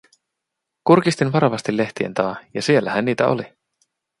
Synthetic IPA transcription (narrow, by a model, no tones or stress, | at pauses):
kurkist̪inʋɑɾɑʋɑst̪ilːe̞ht̪ie̞̰nt̪ɑːjɑsie̞lːæhænːiːt̪æ̰o̰li